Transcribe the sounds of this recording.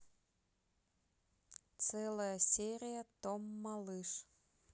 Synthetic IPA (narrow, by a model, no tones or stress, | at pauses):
tt͡sɛlˠəjəsʲeɾʲijət̪omːɑlˠɨʂ